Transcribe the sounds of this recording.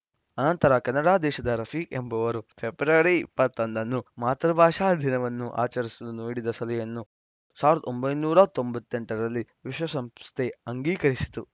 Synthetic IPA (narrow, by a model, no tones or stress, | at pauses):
ɐnɐnt̪ɐɾɐkɐnːɐɽaːd̪ɛːʃɐd̪ɐɾɐpʰikembɐʋɐɾupʰebɾɐɾiipːɐt̪ːɐnd̪ɐnːumaːt̪ɾɐbʱaːʂaːd̪ʱinɐʋɐnːuʔa̰ːt͡ʃɐɾisulunoːɽid̪ɐsɐlɐjɐnːu | saːʋɾɐd̪ɐombɐjnuːɾɐt̪o̞mbɐt̪ːe̞ɳʈɐɾɐlːiʋiʃwɐsɐmsst̪ʰeɐŋɡiːkɐɾisi̥t̪u